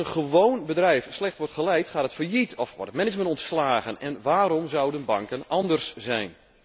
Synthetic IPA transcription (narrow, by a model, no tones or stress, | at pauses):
ənχəʋownbədrɛjfslɛxtʋɔrtχəlɛjtχaːtətfərjitʰɔfʋɔ̰rtətmɪnɪd͡ʒməntɔntslaːɣənɛnʋaːɾɔmzɑwdənbɑŋkənɑndərsz̥ɛjn